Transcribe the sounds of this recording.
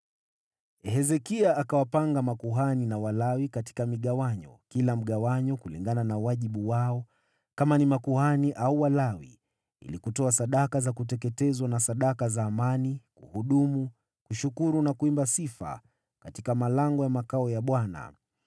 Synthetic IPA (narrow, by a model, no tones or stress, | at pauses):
hɛzɛkiaʔːkawapaŋɡamakuɦaninawalawikati̥kamiɠawaɲɔ̰kilam̩ɠawaɲɔkulḭŋɡananawaʄiɓuwaɔ | kamanimakuhaniʔauwalawḭ | ḭlikutɔasaɗakazakutɛkɛtɛzwanasaɗakazaːmanikuhuɗumu | kuʃukuɾunakuimbasifa̰ | katikamalaŋɡɔjamakaɔjaɓwana̰